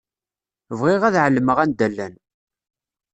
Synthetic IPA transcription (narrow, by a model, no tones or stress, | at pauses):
vʁɪʁæðʕəlːəməʁænd̪ælːæn